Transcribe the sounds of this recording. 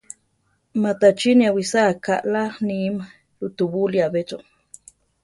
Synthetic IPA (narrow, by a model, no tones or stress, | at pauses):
mat̪at͡ʃiniawisakaʔlanima | lut̪ubuliabet͡ʃo